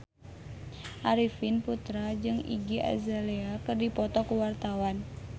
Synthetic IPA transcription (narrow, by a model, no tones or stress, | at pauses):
ʔaɾifinput̪ɾad͡ʒɨŋḭɡia̰zaleakɨrdipɔt̪ɔkuwart̪awan